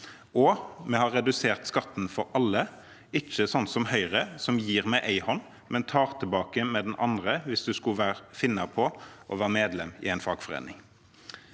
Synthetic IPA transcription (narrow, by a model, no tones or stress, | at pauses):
ɔmɛhɑʁɛd̪ʉseːʁt̪skɑt̪nfɔɾɑlːə | ɪt͡ʃːəsɔnt̪sɔmhœʏʁəsɔmjiːʁmɛɪʔæɪhɔnː | mɛnt̪ʰɑːʁt̪ʰɪlbɑːkəmɛːd̪ɛnɑnd̪ʁəʋɪsd̪ʉskʉʋæːʁfɪnːɑpʰɔʔɔʋæːʁəmeːd̪lɛmɪ̰æɪnfɑːɡfɔʁḛːnɪŋ